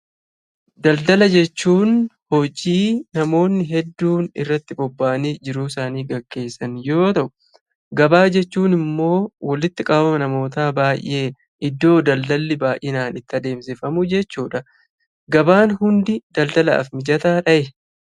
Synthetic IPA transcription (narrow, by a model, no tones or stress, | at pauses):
d̪ɐld̪ɐlɐd͡ʒɛt͡ʃːuːnhɔd͡ʒiːnɐmo̞ːnːɪɦɛd̪ːuːnɪrːɐt̪ːɪbɔbːaːniːd͡ʒɪɾuːsaːniːɡɐkːe̞ːsːɐnjo̞ːt̪ɐʔʊ̥ | ɡɐbaːd͡ʒɛt͡ʃːuːnɪmːo̞ːwɐlɪt̪ːɪkʼɐbbɐmɐnɐmo̞ːt̪aːbaːjʔːe̞ː | ʔɪd̪ːo̞ːd̪ɐld̪ɐlːɪbaːjʔɪnaːnɪt̪ːɐd̪e̞ːmsɪfɐmʊd͡ʒɛt͡ʃːuːᶑɐ | ɡɐbaːnhʊnd̪ɪd̪̥ɐld̪ɐlɐ̰ɐ̰fmɪd͡ʒɐt̪aːᶑɐʔɛ